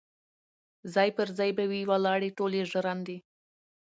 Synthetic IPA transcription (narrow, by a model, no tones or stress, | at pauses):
zɑjpəɾzɑjbawiwalɑɽiʈoleʒəɾɑnd̪i